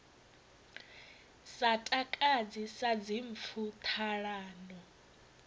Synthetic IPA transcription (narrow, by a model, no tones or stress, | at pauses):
satʼakʼad͡zisad͡ziɱp̪fʰut̪ʰaɺaːnɔ